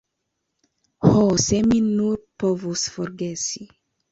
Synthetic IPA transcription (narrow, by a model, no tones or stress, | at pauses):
hosɛminːuɾpɔvusfɔɾɡesi